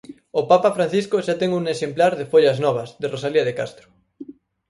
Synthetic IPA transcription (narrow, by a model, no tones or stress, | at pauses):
opapafɾan̟θiskʊʃat̪ɛŋuŋeʃemplaɾðefoʎɐznɔβ̞ɐzðerosaliɐðekast̪ɾʊ̥